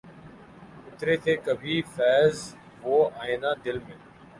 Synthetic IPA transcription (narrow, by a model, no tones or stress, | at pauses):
ʊt̪ɾeːt̪ʰeːkəbʱiːfɛːz | ʋoːaːẽːnãːd̪ɪlmẽː